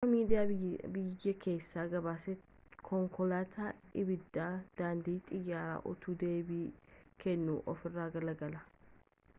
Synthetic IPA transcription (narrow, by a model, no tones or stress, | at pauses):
ɐmiːd̪ɪjaːbɪjːɐkʰe̞ːsːaːɡɐβaːsɛ | kʰɔŋkɔlaːt̪ʰaːʔɪbɪd̪ːaːd̪̥aːnd̪iːt̪ʼɪjːaːɾa̰ːʔʊ̰t̪uːd̪e̞ːbiːkʰɛnːṵːʔɔfɪrːaːɡɐlɐɡɐlɐ